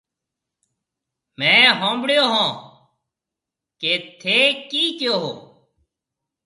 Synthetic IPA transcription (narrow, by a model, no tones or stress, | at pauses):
mɛ̃ːɦõːmbɽjoːɦõː | keːt̪ʰeːkiːkjoːɦo̰ː